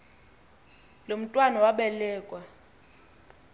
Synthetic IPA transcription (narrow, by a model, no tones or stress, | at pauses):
lom̩tʼwanawaɓɛlɛːkʼwa